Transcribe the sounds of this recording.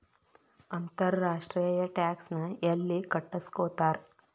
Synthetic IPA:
ɐnt̪ɐɾːaːʂʈɾiːjɐʈaːksnɐelːikɐʈːɐskoːt̪aːɾ

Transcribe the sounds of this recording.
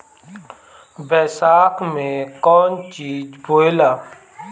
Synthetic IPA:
bɛːsaːkmẽkɔːnt͡ʃiːd͡ʒboːjlaː

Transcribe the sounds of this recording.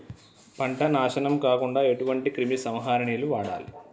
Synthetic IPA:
pɐɳʈɐnaːʃɐnɐmkaːkuɳɖaːe̞ʈuʋɐɳʈikɾimisɐmɦaːɾɳiːluʋaːɽa̰ːli

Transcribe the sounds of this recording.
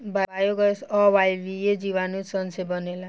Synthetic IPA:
baajoɡʌsʌwajbied͡ziβanusʌnsʰebʌnela

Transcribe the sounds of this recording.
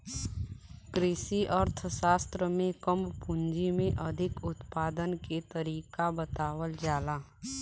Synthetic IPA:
kɾɪʃiʔəɾt̪ʰʃaːst̪ɾəmẽkəmpʊ̃nd͡ʒimẽʔəd̪ʱɪkʊt̪paːd̪ənket̪əɾiːkabət̪aːwəld͡ʒaːlaː

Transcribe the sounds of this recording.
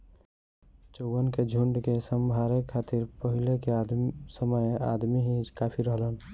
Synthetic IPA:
t͡ʃəwwənked͡ʒʱuɳɖkesəmbʱaɾekʰat̪iɾpəɦileked̪səməja̰d̪miɦĩkapʰiɾəɦlən

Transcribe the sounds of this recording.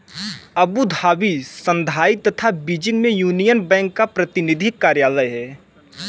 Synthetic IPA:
ɐbud̪ʱaːbisə̃nd̪ʱaːit̪ət̪ʰabiːd͡ʒɪ̃ŋɡmẽjuːnijənbɛ̃ːŋkːapɾət̪ɪnɪd̪ʱɪkːaːɾjaːləjɦɛː

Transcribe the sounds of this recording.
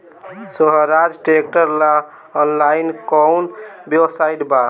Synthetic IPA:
soɦəɾad͡ʒʈek̚ʈəɾla | ɔnlainkɔwnbebsaiʈba

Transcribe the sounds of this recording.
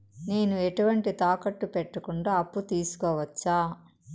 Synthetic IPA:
ne̞ːnueʈuʋɐɳʈit̪aːkɐʈːupeʈːɐkuɳɖaːɐpːut̪iːsu̥kɔːʋɐt͡ʃːaː

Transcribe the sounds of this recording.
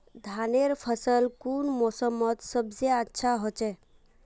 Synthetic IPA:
d̪ʱaneɾpʰəsəlkuːnmɔsəmət̪səbzeətːʃʰaɦot͡ʃe

